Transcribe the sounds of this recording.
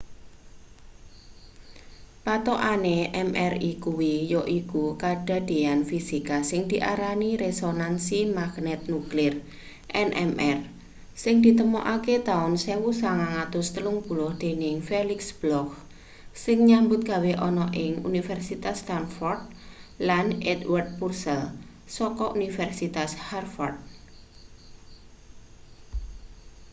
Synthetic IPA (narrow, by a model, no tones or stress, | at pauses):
pat̪oʔaneʔɛmɛrikuwijɔʔikukaɖ̥a̤d̪̥e̤anfisikasɪŋd̪̥i̤ʔaɾaniɾesonansimaɡ̥nɛt̪̚nuklɪr | ʔɛnʔɛ̰mɛr | sɪŋd̪̥i̤t̪əmoʔaket̪aʊnsewusaŋaŋat̪ʊst̪əlʊŋb̥ṳlɔhd̪̥e̤nɪŋfelɪksb̥lɔk | sɪŋɲambʊt̪̚ɡ̥a̤weʔɔnɔʔɪŋṵnifɛrsit̪ast̪anfɔrd̪̚lanɛd̪wərd̪̚pursɛl | sɔkɔʔunifɛrsit̪asharfɔrd̪̚